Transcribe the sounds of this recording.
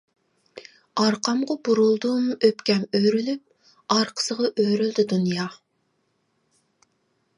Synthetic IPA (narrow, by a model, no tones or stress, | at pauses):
ɑɾqʰɑmʁɑbuɾulˠd̪umøpkʲɛmøjɾylyp̚ | ɑɾqʰə̥səʁɑʔøɾyld̪ɪd̪unjɑ